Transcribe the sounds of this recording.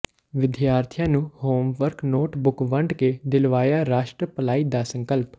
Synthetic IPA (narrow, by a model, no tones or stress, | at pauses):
ʋɪd̪jaːɾt̪ʰijãːnũːhoːmʋəɾknoːʈbʊkʋəɳɖked̪ɪlʋaːjaːɾaːʃʈɾəpəlaːiːd̪aːsə̃ŋkəlp